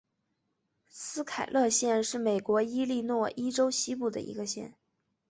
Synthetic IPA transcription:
sɹ̩˥kʰa˨˩ɪlʔɤ˥˧ɕjɛ˥˧nʂɻ̩˥˩me˨˩ɪkwɔ˧˥i˥li˥˧nwɔ˥˩ʔi˥ʈ͡ʂo˥ʊɕi˥p̬u˥˩d̪ə̰˩ḭ˧˥ɡə˧ɕjɛ̰˥˩n

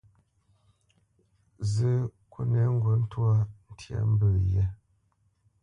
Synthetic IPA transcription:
zɨ˦kwo˦ne˨˦ŋ̩˦ɡɔ˨˦n̩˦twa˦n̩˦tja̰˨˦m˦bə˨jɛ˦

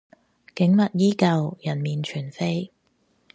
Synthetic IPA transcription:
kɪ˨˥ŋmɐ˨t̚jiː˥kɐ˨wjɐ˨˩nmiː˨nt͡ʃʰyː˨˩nfe˥j

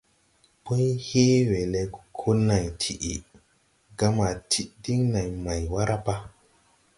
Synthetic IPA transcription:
pu˦jhe˦we˨le˨ɡu̥˨kʰo˦na˨jtʰi˨ʔḭ˨ | ɡa˦ma˨tʰi˦ʔdi˦ŋna˨jma˨jwa˦ɾa˦pa˦

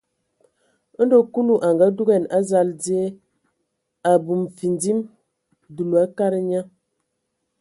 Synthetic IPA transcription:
n̩˦do˦ku˦lu˦ʔa˨ŋɡa˦du˦ɡɛ˨na˦za˦˨ldi˦e˦ | a˨bu˨mfi˨ndi˦m | du˨lu˨a˦ka˦ɾə˦ɲa˦

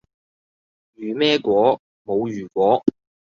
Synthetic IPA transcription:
jyː˨˩mɛː˥kʷɔː˨˥ | mo˨˧wjyː˨˩kʷwɔː˨˥

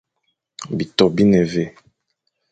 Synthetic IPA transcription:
bi˨tɔ˨bi˦nɛ˨ve˦˨

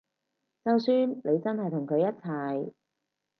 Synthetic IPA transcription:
t͡sɐ˨wsyː˨˧nle˨˧jt͡sɐ˥nhɐ˨jt̪ʰʊ˨˩ŋkʰɵ˨˧ɥjɐ˥t̚t͡sʰɐ˨˩j

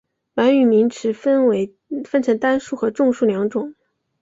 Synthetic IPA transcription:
wa˧˥ny˨˩mi˧˥ŋʈ͡ʂʰɻ̩˧˥nwe˧˥ɪ | fə˥nʈ͡ʂʰɤ˧˥ŋt̪a˥nʂu˥˩xɤ˧˥ʈ͡ʂʊ˥˧ŋʂu˥˩ljɑ˧˥ŋʈ͡ʂʊ˨˩˦ŋ

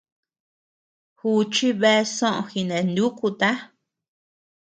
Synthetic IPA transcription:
hu˧t͡ʃi˦βe˦˧sõ˦ʔõ̰˧xi˧nẽ˨nd̪u˦ku˧t̪a˦

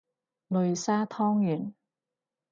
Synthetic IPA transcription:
lɵ˨ɥsaː˥t̪ʰɔː˥ŋjyː˨˩n

